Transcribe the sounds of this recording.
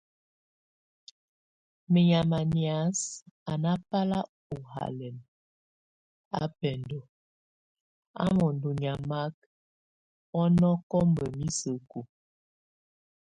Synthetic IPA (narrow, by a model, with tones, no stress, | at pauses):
mə˨ɲa˨ma˨ni˨a˨˦sa˨na˦pa˦la˦ | u˨ha̰˨lɛ˨n | a̰˦pɛ˨ndo˨ | a̰˦mɔ˨ndu˨ɲa˨ma˦k̚ | ɔ˦nɔ˦kɔ˦mbə˨mi˦sə˨ko˨